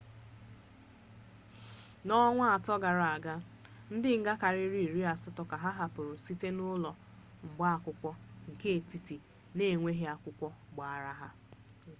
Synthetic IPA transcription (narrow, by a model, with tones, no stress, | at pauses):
nɔ˦ŋʷa˦a˨tɔ˦ɡa˨ɾa˨a˨ɡa˦ | n̩˦dɪ˦ŋ̩˦ɡa˦ka˨ɾɪ˦ɾi˦i˨ɾi˦a˨sɔ˦tɔ˨ka˨ɦa˦ɦa˦pʊ˨ɾʊ˨si˦te˦nʊ˦lɔ˨ | ŋ͡m̩˨ɡ͡ba˦a˨kʷʊ˦kʷɔ˦ŋ̩˨ke˦e˨ti˨ti˨ | ne˦˨ŋʷe˦ɦe˦a˨kʷʊ˦kʷɔ˦ɡ͡ba˨a˨ɾa˦ɦa˦